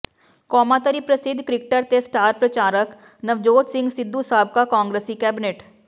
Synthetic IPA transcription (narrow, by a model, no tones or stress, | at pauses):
kɔːmat̪əɾipɾɐsɪd̪ʱkɾɪkʈəɾt̪esʈaːɾpɾɐt͡ʃaːɾək | nɐʋd͡ʒoːd͡ʒ̪sɪ̃ŋɡsɪd̪ʱːusaːb̚kakãːŋɡɾeːsikɛːbɪneːʈ